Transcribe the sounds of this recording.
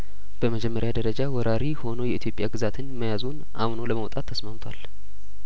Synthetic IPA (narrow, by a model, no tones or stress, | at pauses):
b̥əməd͡ʒɛmːəɾjad̪əɾəd͡ʒawɔɾʔaɾiho̞nojɛit̪jo̞pʼːjaɡɨzat̪ʰɨnməjazunʔa̰mnoləməwt̪ʼat̪ʰːəsmamt̪ʰwa̰l